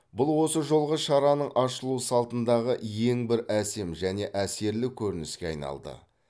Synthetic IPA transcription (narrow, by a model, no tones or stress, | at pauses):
bʊlˠwo̞səʒo̞lˠʁəʃɑɾɑnəɴʔɑʃəlˠusɑlˠt̪ənd̪ɑʁəje̞ŋbɪɾæse̞mʒæne̞ʔæse̞ɾlɪkʲʰɵɾɪnɪskʲe̞ɑ̰jnɑ̰lˠd̪ə̰